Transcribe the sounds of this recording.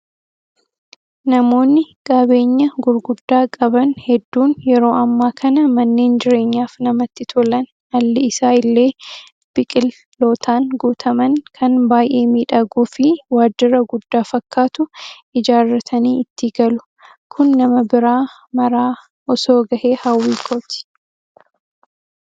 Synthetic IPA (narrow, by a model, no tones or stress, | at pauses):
nɐmo̞ːnːɪkʼɐbe̞ːɲːɐɡʊɾɡʊd̪ːaːkʼɐbɐnhɛd̪ːuːnjɛɾo̞ːʔɐmːaːkʰɐnɐmɐnːe̞ːnd͡ʒɪɾe̞ːɲːaːfnɐmɐt̪ːɪt̪ʰɔlɐn | ɐlːɪɪsaːɪlːe̞ː | b̥ɪkʼɪlː | o̞ːt̪ʰaːnɡuːt̪ʰɐmɐnkʰɐnbaːjʔe̞ːmiːᶑɐɡuːfɪwaːd͡ʒɪɾɐɡʊd̪ːaːfɐkːaːt̪ʊʔɪd͡ʒaːrːɐt̪ʰɐniːɪt̪ːɪɡɐlʊ̥ | kʰʊnːɐmɐbɪɾaː | mɐɾaː | ʔɔsoːɡɐhe̞ːhɐwːiːkʰoːt̪ɪ̥